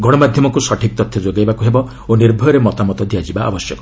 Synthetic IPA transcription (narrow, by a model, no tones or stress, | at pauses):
ɡɔɽ̃ɔmad̪ʱjɔmɔkusɔʈʰik̚t̪ɔt̪ʰjɔd͡ʒoɡajbakuɦebɔ | oniɾbʱɔɾɔɾemɔt̪amɔt̪ɔd̪ʱijad͡ʒibaʔa̰bɔsjɔkɔ